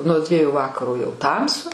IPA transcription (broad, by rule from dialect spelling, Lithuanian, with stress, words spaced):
nuɔ ˈdʲʋʲiɛjʊ ˈʋɑːkɐroː jɛʊ ˈtɐmsʊ